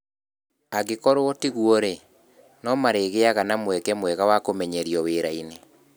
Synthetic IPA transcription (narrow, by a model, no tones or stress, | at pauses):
aɣekɔɾootiɣwɔɾe | nɔmaɾeɣeaɣanamwɛkɛmwɛɣawakomɛɲɛɾijɔweɾaine